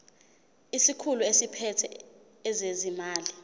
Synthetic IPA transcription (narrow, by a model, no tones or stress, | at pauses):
isikʰuluesipʰɛtʰɛ | ɛzezimaːli